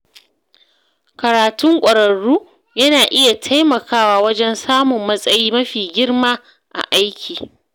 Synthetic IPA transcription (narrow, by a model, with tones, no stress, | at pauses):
kɐ˨ɾaː˨tʊ˦ŋkʷʼɐ˨ɾɐ˨ɽːuː˦ | jɐ˦naː˨ʔɪ˦ja˨tʰa˦jmɐ˨kaː˦waː˦wɐ˦d͡ʒɛ˦nsaː˦mʊ˨mːɐ˦sʼɐ˦jiː˦mɐ˦ɸiː˨ɡʲɪ˦ɽmaː˦ | ʔa̰˨ʔa˦jkʲʰiː˨